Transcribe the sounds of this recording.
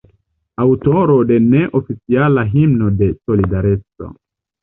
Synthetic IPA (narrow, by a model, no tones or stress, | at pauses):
awtoɾo̞de̞ne̞ʔofit͡sialaɦimno̞de̞so̞lidaɾet͡so̞̰